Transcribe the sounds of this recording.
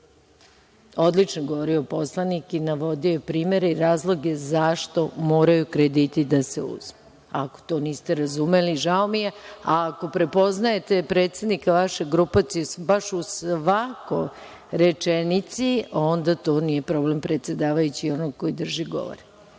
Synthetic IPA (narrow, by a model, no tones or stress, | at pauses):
o̞d̪lit͡ʃnoɡoʋoɾioposlˠanikinaʋo̞d̪iojpɾiːme̞ɾeiɾaːzlˠo̞ɡe̞zaʃt̪o̞moːɾajukɾed̪it̪id̪aseṵzme | ako̥t̪o̞ːniːst̪e̞ɾazume̞liʒaomijeaːko̞pɾe̞po̞znaje̞t̪e̞pɾe̞ːt̪sed̪nikaʋaʃeɡɾupat̪sijusbaʃusʋako̞j | ɾe̞t͡ʂenit̪sio̞nd̪at̪o̞ːnije̞pɾo̞ble̞mpɾe̞t̪se̞d̪aːʋajut͡ɕiːo̞noɡko̞jid̪r̩ʒiɡo̞̰ʋo̰ɾe